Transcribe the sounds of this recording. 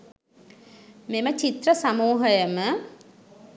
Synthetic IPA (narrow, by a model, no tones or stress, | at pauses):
memət͡ʃit̪rəsamuːɦəjəmə